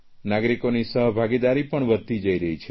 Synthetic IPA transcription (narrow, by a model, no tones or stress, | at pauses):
naɡɾikonisəɦbʱaɡid̪aɾipəɳʋəd̪̚t̪id͡ʒəiɾəɦit͡ʃʰe